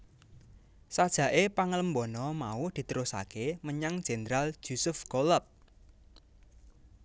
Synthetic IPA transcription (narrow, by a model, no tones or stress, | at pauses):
sad̥ʒ̥ä̤ʔepaŋələmbɔnɔmaud̪̥i̤t̪əɾosa̰keməɲaŋd̥ʒ̥e̤nəɾal̥ʒ̥usʊfɡ̥oləp̚